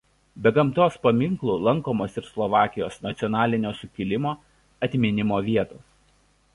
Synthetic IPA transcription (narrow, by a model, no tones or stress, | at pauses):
bʲɛɡɐmt̪oːspɐmʲɪŋklˠuːlˠɐŋˑkoːmoːsɪɾslˠɔʋɑːkʲɪjoːsnɐt̪sʲɔnɑːlʲɪnʲoːsʊkʲɪlʲɪmoː | ɐt̪ʲmʲɪnʲɪmoːʋʲiɛt̪oːs